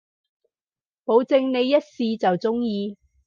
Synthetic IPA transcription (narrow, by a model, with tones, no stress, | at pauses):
po˨˧wt͡sɪ˧ŋne˨˧jːɐ˥t̚siː˨˧t͡sɐ˨wt͡sʊ˥ŋjiː˧